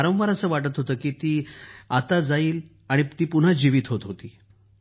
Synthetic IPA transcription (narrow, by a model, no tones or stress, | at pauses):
ɾə̃wʋaɾəsəːʋaʈət̪ɦot̪əːkiːt̪iːat̪ad͡zaiːl | aɽ̃it̪iːpun̤ad͡ʑiʋiːt̪ɦot̪ɦot̪iː